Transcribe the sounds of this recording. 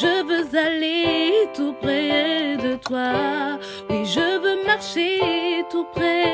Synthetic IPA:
ʒəvøzalet̪upχɛd̪ət̪wa | wɛʒəvømaʁʃet̪upχɛ

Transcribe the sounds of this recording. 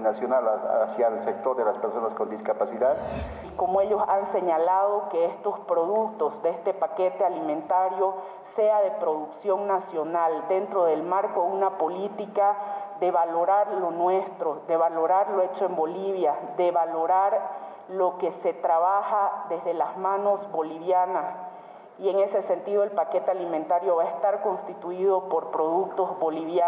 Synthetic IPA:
nasjonalasjaelsek̚t̪oɾðelaspeɾsonaskond̪iskapasiðað | komoe̞ʎo̞sanse̞ɲalað̞o̞keest̪o̞spɾo̞ðukt̪o̞zd̪eest̪e̞pake̞t̪e̞alimẽnt̪aɾjo̞ | seaðe̞pɾo̞ðuksjo̞ŋnasjo̞nald̪ent̪ɾo̞ðe̞lmaɾkounapo̞lit̪ikaðeβalo̞ɾaɾlo̞nwe̞st̪ɾo̞ðe̞βalo̞ɾaɾlo̞e̞t͡ʃoe̞mbo̞liβjaðe̞βalo̞ɾaɾ | lo̞ke̞se̞t̪ɾaβaxaðe̞zðe̞lazmano̞zbo̞liβjanas | ie̞ŋe̞se̞se̞nt̪iðoelpake̞t̪ealimẽnt̪aɾjo̞βaest̪aɾko̞nst̪it̪uiðo̞po̞ɾpɾo̞ðuk̚t̪o̞zβo̞liβja

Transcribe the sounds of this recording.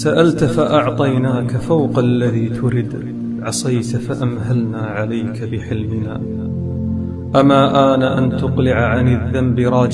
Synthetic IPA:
saʔalt̪faʔɑʕt̪ˤɑjnaːkafawqalːaðiːt̪ʰʊɾɪd̪ | ʕɑsˤɑjt̪faʔamhalnaːʕalajkabɪħɪlmɪna̰ː | ʔamaːʔaːnaʔant̪ʊqlɪʕʕanɪðːambɪɾˤɑːd͡ʒ

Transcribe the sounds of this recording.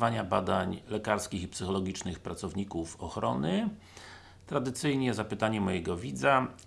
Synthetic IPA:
vaɲabad̪aɲlɛkaɾskʲixipsɘxɔlɔɡʲit͡ʂnɘxpɾat̪sɔvɲikufɔxɾɔ̰nɘ | t̪ɾad̪ɘt̪sɘjɲɛzapɘt̪aɲɛmɔjɛɡɔvʲid̪za

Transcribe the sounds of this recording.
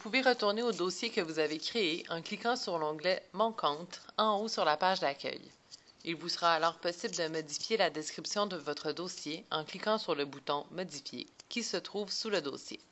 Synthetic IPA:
vupuveʁət̪uʁneod̪osjekəvuzavekχeeʔɑ̃klikɑ̃syʁlɑ̃ɡlɛmɑ̃kɑ̃t̪ɑ̃osyʁlapaʒd̪akʲœ̰j | ilvusəʁaːlɔːʁpɔsibld̪əmɔd̪ifjelad̪ɛskχipsjɔ̃d̪əvɔt̪χəd̪osjeɑ̰̃klikɑ̃syʁləbut̪ɔ̃mɔd̪ifjḛkʲisət̪χuːvsuləd̪o̰ːsjḛ

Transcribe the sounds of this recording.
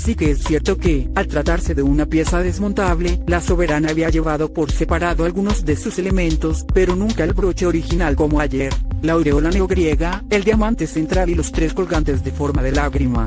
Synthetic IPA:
sikeesːje̞ɾt̪o̞ke̞alt̪ɾat̪aɾse̞ðe̞unapje̞saðe̞zmo̞nt̪aβle̞laso̞βe̞ɾanaːβiaʝe̞βaðo̞po̞ɾse̞paɾaðoalɣuno̞zðe̞suse̞le̞mẽnt̪o̞spe̞ɾo̞nũŋkaelbɾo̞t͡ʃe̞o̞ɾixinalko̞moaʝeɾlaoɾeolaneoɣɾje̞ɣaeld̪jamãnt̪e̞se̞nt̪ɾalilo̞st̪ɾe̞sko̞lɣant̪ezðe̞fo̞ɾmaðe̞laɣɾima̰

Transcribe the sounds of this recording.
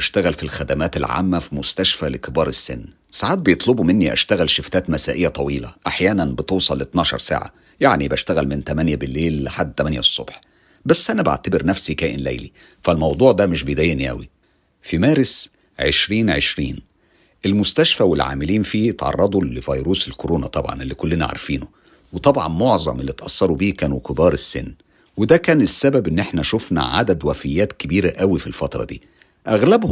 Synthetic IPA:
æʃt̪æɣælfilxæd̪æmæːt̪elʕa̰ːmːæfimʊst̪æʃfælekebɑːɾˤesːenː | saʕaːt̪̚bejet̪ˤlobumɪnːiʔæ̰ʃt̪æɣælʃeft̪æːt̪mæsæːʔejːæt̪ˤɑwiːlæʔaħjæːnænbet̪ewsˤɑlːet̪nɑːʃɑ̰ɾˤsa̰ːʕa̰ | jaʕnibæʃt̪æɣælmɪnt̪æmænjæbɪlːeːlːɪħad̪ːt̪ːæmænjæsˤːobħ | bæsːʔænæba̰ʕt̪æbeɾnæfsikæːʔenlæ̰jlḭ | fælmɑwd̪ˤuːʕd̪æmeʃbejd̪æjːeniʔæ̰wi | fimæːɾes | ʕḛʃɾiːnʕḛʃɾḭːn | ʔelmʊst̪æʃfæwelʕa̰ːmɪliːnfiːt̪ʕɑ̰rˤːɑd̪ˤulevɑjɾuːselkoɾoːnæt̪ˤɑbʕɑ̰nʔelːikolːenæʕa̰ɾfiːno | wet̪ˤɑbʕɑ̰nmoʕzˤɑ̰mʔelːit̪ʔɑsˤːɑɾˤubiːkæːnukebɑːɾˤesːḛnː | wed̪ækæːnesːæbæbʔenːʔeħnæʃofnæ̰ʕa̰d̪æd̪wæfɪjːæːt̪kebiːɾæʔæwifilfɑt̪ɾˤɑ̰d̪ḭː | ʔæɣlæbh

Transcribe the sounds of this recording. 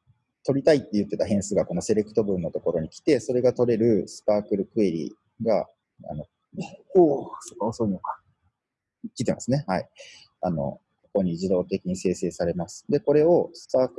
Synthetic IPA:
t̪o̞ɾʲit̪ait̪ːe̞jɯ̟t̪ːe̞t̪aɦẽ̞ɰ̃sɨɡako̞no̞se̞ɾe̞kɯ̥t̪o̞bɯ̟̃nːo̞t̪o̞ko̞ɾo̞ɲ̟ikʲi̥t̪e̞so̞ɾe̞ɡat̪o̞ɾe̞ɾɯ̟sɨ̥paːkɯ̟ɾɯ̟kɯ̟e̞ɾʲḭ | ɡa | a̰no̞ | oːsokːaosoinokḁ | kʲi̥t̪e̞masɨne̞hai | ano̞̰ | ko̥ko̞ɲ̟iʑid̪o̞ːt̪e̞kʲiɲ̟ise̞ːse̞ːsaɾe̞masɨ̥d̪e̞ko̞ɾe̞o̞sɨ̥paːk

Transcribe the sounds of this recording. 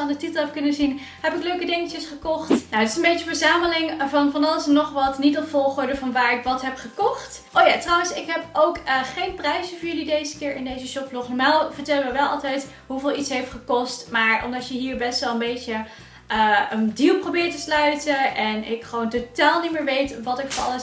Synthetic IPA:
andətitəlˠɛfkɵnəzin | ɦɛpɪkløɥkədɪŋəcəsχəkɔχtnowətɪsənbejtəvəɹzaːməlɪŋvɑnvɑnɑlˠəsnɔχʋɑtnitəfɔlˠχʊːɹdəvɑnʋaːɹɪkʋɑtɦɛpχəkɔχt | ʔoːjaːtrʌwənsɪkɦɛpowkχejnprɛjzəvʊːɹjɵlidejzəkɪːɹɪndejzəʃɔpflɔχnɔmaːlˠvəɹtɛləʋəʋɛlˠɑlˠtɛjt | ɦuvɪːlˠitsɦejftχəkɔstmaːɹɔ̰mdɑtjəɦiːɹbɛstʋɛlˠənbejtə | əəndilˠprowbɪːɹtəslœɥtəʔɛnɪkχəʋowntotaːlˠnimɪːɹʋejtʋɑtɪkfɔɹɑ̰lˠəs

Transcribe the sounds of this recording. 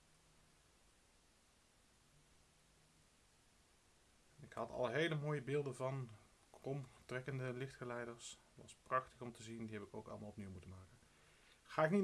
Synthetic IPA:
ɪkhɑtʰɑ̰lɦejləmoːjəbɪːlˠdənvɑn | krɔmtrɛkəndəlɪχtχəlɛjdəɹs | ʋɑ̰sprɑχtəχɔmtəzindiɦɛpɪko̰wkɑ̰ləmaːlˠɔp̚niwmutəmaːkən | χaːɪkni

